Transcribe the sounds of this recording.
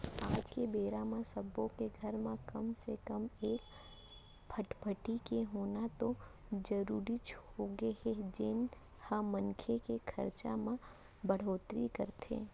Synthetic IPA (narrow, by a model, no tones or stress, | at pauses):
aːd͡ʒkebeːɾamãsəbõkeɡʱəɾmẽkəmsekəmeːk | pʰəʈpʰəʈikeɦoːnat̪o | d͡ʒəɾuːɾit͡ʃhoɡeɦed͡ʒɪn | hamənkʰekekʰə̰ɾt͡ʃa̰mã | bəɽ̤oːt̪ɾḭkə̰ɾt̪ʰḛ̃ː